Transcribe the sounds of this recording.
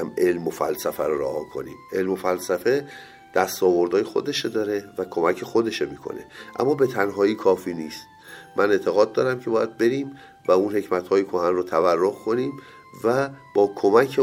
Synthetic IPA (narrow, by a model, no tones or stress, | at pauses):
mʔe̞lmofæ̰lsæfæɾoɾæhɒːkʰo̞̰nḭːme̞lmofælsæfe̞ | d̪̥æst̪ɒːvo̞ɾd̪ɒːjexo̞̰d̪e̞ʃed̪ɒːɾe̞vækʰo̞mæcʰe̞xo̞d̪e̞ʃemiːkʰo̞̰ne̞̰ʔæ̰mːɒːbe̞t̪ʰænɦɒːiːkʰɒːfiːniːst̪̚ | mʔænet̪ʰe̞ɣɒːd̪̚ːɒːɾæmcʰe̞bɒːjæd̪̚be̞ɾiːm | væunhe̞cmæt̪hɒːjekʰoɦænrot̪ʰæværːohkʰo̞niːm | væb̥ɒːkʰomæcʰe